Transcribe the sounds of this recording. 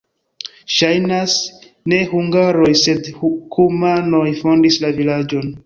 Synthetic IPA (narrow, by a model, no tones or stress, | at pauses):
ʃajnas | ne̞huŋɡaɾo̞jse̞dkumano̞jfo̞ndislavilad͡ʒo̞n